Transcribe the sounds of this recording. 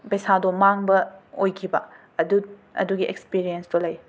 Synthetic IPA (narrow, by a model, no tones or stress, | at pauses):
pejsadomaŋbɐojkʰibɐ | duɐ̰duɡiʔḛkspiɾijensdolɐj